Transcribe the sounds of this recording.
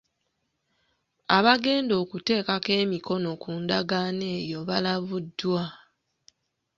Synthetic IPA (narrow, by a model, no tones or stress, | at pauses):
aβaɡe̞ːndo̞ːkute̞ːkake̞ːmiko̞no̞kuːndaɡane̞ːjo̞βalaβudwa